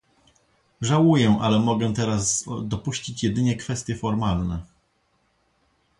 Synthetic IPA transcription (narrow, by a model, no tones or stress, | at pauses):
ʐawujɛʔa̰lɛmɔɡɛt̪ɛɾazd̪ɔpuɕt͡ɕit͡ɕjɛd̪ɘɲɛkfɛst̪ʲjɛfɔɾmalnɛ